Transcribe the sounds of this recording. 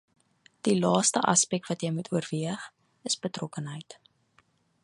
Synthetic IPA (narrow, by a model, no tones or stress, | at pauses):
d̥ilɑːstəʔɐ̰spɛk̚tvɐtjəjmutʰuərviəχ | əsbətrɔkənɦəjt